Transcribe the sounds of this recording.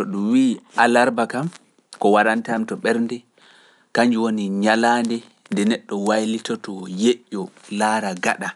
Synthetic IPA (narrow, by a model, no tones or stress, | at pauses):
tɔɗumwiːalaɾbakam | kɔwaɾantamtɔɓɛɾndɛ | kaɲd͡ʒuwoniɲalaːndɛ | ndɛnɛɗːɔwajlitɔtɔjeʔːɔlaɾaɡaɗa